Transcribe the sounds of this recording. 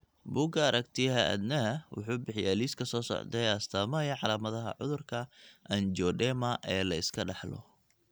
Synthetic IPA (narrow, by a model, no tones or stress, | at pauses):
buːɡɐɐɾɐkt̪ʰɪjɐɦɐʔɐ̰d̪nɐwʊ̰ħuːbɪħɪjaːliːskʰɐsɔːsɔ̰ʕd̪ɛjɐst̪ʰaːmɐjɐʕɑlaːmɐðɐɦɐ̰ʕʊ̰ðʊrkʰɐʔɐnd͡ʒɔɖɛmɐʔɛːlɐɪskʰɐɖɑħlɔ̰